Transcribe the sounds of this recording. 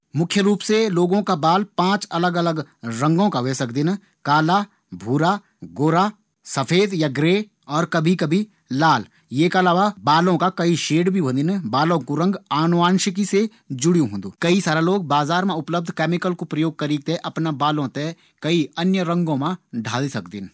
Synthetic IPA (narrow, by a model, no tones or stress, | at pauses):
mʊkʰjəɾuːpseloːɡõkabaːlpãːt͡ʃɐləɡələɡɾɐ̃ŋɡõkaʋeːsəkd̪ɪn | kaːla | bʱuːɾa | ɡoːɾa | sɐfʰeːd̪jaɡɾeː | ɔːɾkɐbʱikɐbʱi | laːl | jeːkɐlaːʋabaːlõkakɐiʃeːɖbʱibɐ̃d̪ɪnbaːlõkuɾɐ̃ŋɡaːnʋaːnʃɪkise | d͡ʒʊɽijũɦõnd̪uːkɐisaːɾaloːɡ̚baːzaːɾmẽʊpləb̚d̪ʱkɛːmɪkəlkopɾɐjoːɡ̚kɐɾiːɡ̚t̪eɦɛ̃ʔɐpnabaːlõt̪eɦɛ | kɐiɐnjəɾɐ̃ŋɡõmãɖʱaːlisɐkd̪ɪn